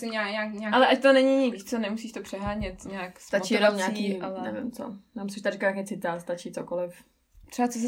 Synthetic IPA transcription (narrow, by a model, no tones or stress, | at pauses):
sɪɲaːɲaːkɲaʔalɛʔact̪onɛɲɪɲɪt͡sonɛmusiːʃt̪opr̝̥ɛɦaːɲɛt̪ɲaːkst̪at͡ʃijɛnomɲaːikːialɛnnɛvɪmt͡so̰naːmsɛʃt̪arɪklajakjɛt͡sɪt̪aːst̪at͡ʃit͡sokolɪf | t̪ɛbat͡sos̬